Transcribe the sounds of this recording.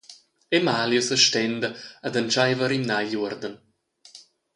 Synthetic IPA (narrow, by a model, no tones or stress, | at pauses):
emaːljɔsəʃtɛnd̪əad̪ant͡ʃajvəɾimnajʎurd̪ən